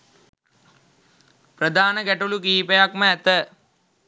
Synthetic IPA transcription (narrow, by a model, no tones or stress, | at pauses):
prəd̪ʱaːnəɡæʈulukiːpejakməæt̪ə